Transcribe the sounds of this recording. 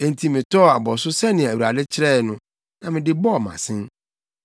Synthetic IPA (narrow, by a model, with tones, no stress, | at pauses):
e˨n˨tʰi˨mɪ̃˨tʰɔ˦˨a˨bɔ˨sʊ˦sɛ˦nɪ̃˨æ˨u˨ɾa˨dɪ˦t͡ɕʰɪ˦ɾɛ˦˨nʊ̃˦ | nã˨mɪ̃˨dɪ˦bɔ˦˨mã̰˨sɪ̃˦n